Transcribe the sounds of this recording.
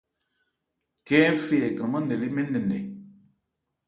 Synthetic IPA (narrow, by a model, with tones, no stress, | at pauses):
kɛ˦fe˦ɛ˨kə˨mə˦ne˨li˦me˦nə˨nɛ˨